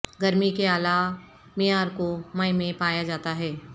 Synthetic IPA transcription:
ɡɐɾmikeaːla | mijaːɾkomɐɪmẽpaːjad͡ʒaːt̪aɦɛː

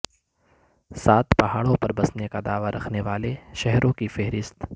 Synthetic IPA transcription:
saːt̪pɐɦaːɽõpɐɾbɐsnekad̪aːʋaɾʔɐkʰneʋaːleʃɛɦɾʔõkifɛɦɾɪst̪

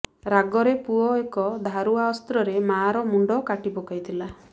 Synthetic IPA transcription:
ɾaɡɔɾepuɔekɔd̪ʱaɾuaɔst̪ɾɔɾemaɾɔmuɳɖɔkaʈipɔkajt̪ʰila

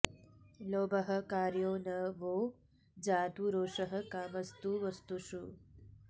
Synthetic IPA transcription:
loːbɐɦɐ̆kaːɾjoːnɐʋoː | d͡ʒaːt̪uɾoːʂɐɦɐkaːmɐst̪uʋɐst̪uʃu

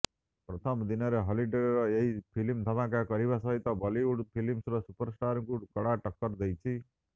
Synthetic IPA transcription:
pɾɔt̪ʰʌmd̪inʌɾeɦɔliɖeɽɾɔeɦipʰilimt̪ʰɔb̪ãkakɔɾibasʌɦit̪ɔbɔliuɽpʰilimsɾɔsupəɾsʈaɾkukɔɽaʈəkːəɾd̪ejt͡ʃʰi

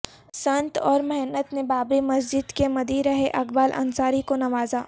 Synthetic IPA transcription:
sɐ̃nt̪ɔːɾmɛɦnət̪nebaːbɾimɐs̬d͡ʒɪd̪kemɐd̪iɾɐɦeʔɐkbaːlʔɐ̰nsaːɾikonɐʋaːzaː

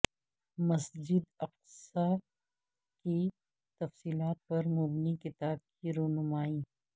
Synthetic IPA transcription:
mɐsd͡ʒɪd̪ɐq̚sa | ki | t̪ɐfsiːlaːt̪̚pɐɾmʊbnikɪt̪aːb̚kiɾoːɦnʊmaːiː

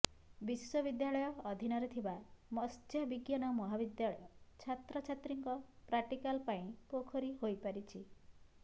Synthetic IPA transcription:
biswɔbid̪jaɭɔjɔːd̪ʱinɔɾet̪ʰibamɔst̪ʰjɔbiɡjanɔmɔɦabid̪jaɭɔjɔt͡ʃʰat̪ɾɔt͡ʃʰat̪ɾiŋkɔpɾaʈikalpaĩpokʰɔɾiɦojpaɾit͡ʃʰi

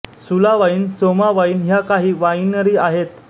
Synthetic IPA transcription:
sulaʋaiːnsomaʋaiːnɦjakaɦiːʋainəɾiːaɦet̪

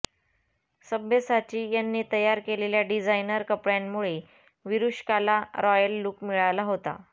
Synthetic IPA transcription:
səbjəsat͡ɕiːjanːiːt̪əjaɾkeleljaɖid͡zajnəɾkəpɭjammuɭe | ʋiɾuɕkalaɾɔjəlːuːkmiɭalaɦot̪a̰

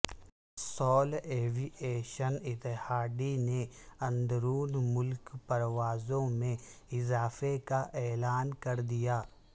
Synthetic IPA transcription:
sɔːleːʋiʔeːʃənɪt̪ːɪhaːɖ̪ineɐ̃nd̪ɾuːnmʊlkpɐɾʋaːzõmẽɪzaːfekaʔɛːlaːnkɐɾd̪ijaː

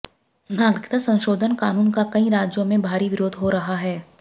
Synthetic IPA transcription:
naːɡɾɪkt̪asɐ̃nʃoːd̪ʱənkaːnuːnkakɐĩɾaːd͡ʒjõmẽbʱaːɾiʋɪɾoːd̪ʱɦoɾɐɦaɦɛː

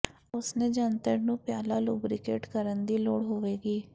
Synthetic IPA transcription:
ʊsnẽːd͡ʒəːnt̪əɾnũːpjaːlaːluːbɾɪkḛːʈkəɾənd̪iːloːɽɦoːʋeːɡiː

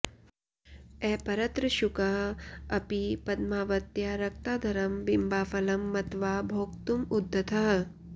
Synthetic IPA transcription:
ɛːpɐɾɐt̪ɾɐʃukɐɦɐpipɐd̪maːʋɐt̪jaɾɐk̚t̪aːd̪ʱɐɾɐmʋimbaːfɐlɐmːɐt̪ʋaːbʱoːkt̪umud̪ʱːɐt̪ʰɐɦ

